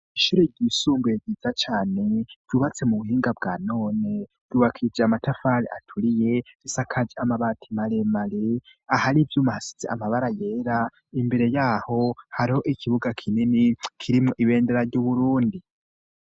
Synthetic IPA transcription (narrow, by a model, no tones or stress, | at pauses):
iʃuɾeɟisuːmbujeɟiːzat͡ʃaːne̞v̥juːβat͡se̞muβuhiːŋɡabɡaːno̞ːnev̥juːβakʰid͡ʒeamatafaɾḛʔa̰tʰuɾije̞z̥isakʰad͡ʒiamaβatʰimaɾemaɾeahaɾivjuːmahasi̥z̥eamaβaɾaje̞ːɾa | imbe̞ɾe̞jaːho̞haɾiho̞ʔikʰiβuɡakʰininikʰiɾimŋoʔiβe̞ːndeɾaɾɟuβuɾuːndi